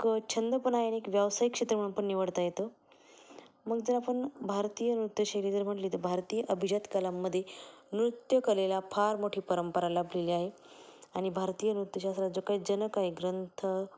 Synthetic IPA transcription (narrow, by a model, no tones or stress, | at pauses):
kt͡ɕʰənd̪əpənajañiekʋjaʋsajikːʂet̪ɾəm̤əɽunpəɳːiʋəɽt̪ajet̪o | məɡd͡zəɾapəɳbʱaɾt̪ijənɾut̪jəɕaliːt̪əɾm̤əʈliːt̪əbʱaɾt̪iːjəʔəbʱid͡ʑət̪kalamːəd̪ʱːjenɾut̪jəkəlelapʰaɾmoʈʰiːpəɾəmpəɾalabʱleliːaɦe | aɽ̃ibʱaɾt̪iːjənɾut̪jəɕast̪ɾat̪d͡zokaid͡ʑənəkaɦeɡɾənt̪ʰə